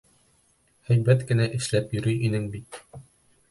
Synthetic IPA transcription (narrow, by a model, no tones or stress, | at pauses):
hæjbæt̪kɘ̆næʔɘ̆ʃlæpjɵ̆ɾyjʔinɘŋbit̪